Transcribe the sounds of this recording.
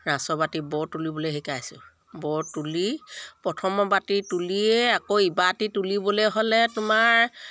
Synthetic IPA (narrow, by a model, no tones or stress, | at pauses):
ɹãsɔbatibɔɹtulibɔleɦekajsʊ̰ | bɔɹtulipɹɔtʰɔmɔbatituliɛakoibatitulibɔlɛɦɔlɛtʊmaɹ